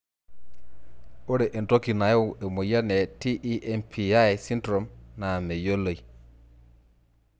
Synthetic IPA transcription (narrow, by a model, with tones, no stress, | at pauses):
o˦ɾe˨ʔe˨nto˦ki˨na˨jo˦we˨mo˨ja˦ne˨ti˦ʔi˦ʔe˨npʰi˨a˦e˨si˦ntɾo˨mna˨me˨jo˦lo˨i˨